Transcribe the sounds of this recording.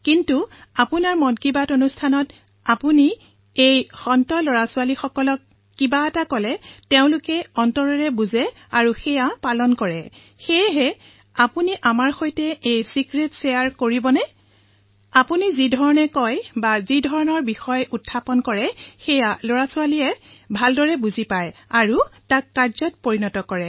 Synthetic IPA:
kintuapunaɹmɔnkibatonustʰanɔt | apuni | ejxɔntɔloɹasʊalixɔkɔlɔkː | ibaɛtakɔlɛteʊ̃lʊkɛɔntɔɹɔɹɛbuzɛ | aɹuxɛjapalɔnkɔɹɛ | xejɦɛ | apuniʔamaɹxojtɛejsikɹetsejaɹkoɹibɔnɛ | apunizidʱɔɹɔnɛkɔjbazidʱɔɹɔnɔɹbixɔjutʰːapɔnkɔɹɛxejaloɹasualijɛbʱaldɔɹɛbuzipajaɹutakːaɹzɔt̚poɹinɔtɔkɔɹɛ

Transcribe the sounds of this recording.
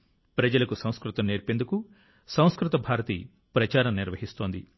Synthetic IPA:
pɾɐd͡ʒɐlɐkusɐ̃w̃skɾut̪ɐmneːɾpend̪uku | sɐ̃w̃skɾut̪ɐbʱaːɾɐt̪ḭ | pɾɐt͡ʃaːɾɐmniɾʋɐɦist̪o̞ːnd̪ḭ

